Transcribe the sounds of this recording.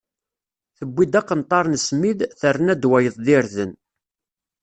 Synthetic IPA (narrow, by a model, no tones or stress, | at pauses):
θəbːid̪æqːənt̪ˤːɑɾˤnəsmiðθərːənæd̪wæjəðˤðiɾðən